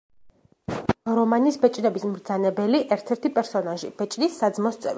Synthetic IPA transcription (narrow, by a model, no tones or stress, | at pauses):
ɾɔmanisbɛt͡ʃʼnɛbismɾd̪zanɛbɛliʔɛɾt̪ʰɛɾt̪ʰipʼɛɾsɔnaʒḭb̥ɛt͡ʃʼnisːad̪zmɔst̪sʼɛ̰vi